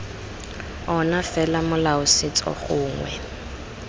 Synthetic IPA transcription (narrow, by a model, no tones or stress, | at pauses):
ɔnafɛlamʊlaʊsɪt͡sʼɔ̰χʊːŋwɛ̰